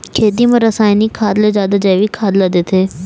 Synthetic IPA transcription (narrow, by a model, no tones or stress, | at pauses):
kʰeːt̪̬imɐ̃ɾɐsaːjniːkʰaːd̪led͡ʒaːd̪ad͡ʒɐʋiːkʰaːd̪lad̪et̪ʰeː